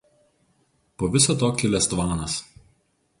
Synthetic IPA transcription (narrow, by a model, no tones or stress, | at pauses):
poːʋʲɪsɐt̪oːkʲɪlʲɛst̪ʋɑːnɐs